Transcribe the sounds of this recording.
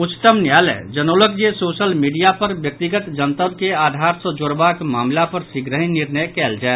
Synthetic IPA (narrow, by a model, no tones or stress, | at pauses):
ʊt͡ʃt̪əmnjaːlɛ̰d͡ʒənoːlək̚d͡ʒesoːʃəlmiːɖijapəɾbjək̚t̪iɡət̪d͡ʒənt̪əbkeaːd̪ʱaːɾsəd͡ʒoːɾbakmaːmlapəɾsikɾəɦĩnɪɾnəjkɛːld͡ʒae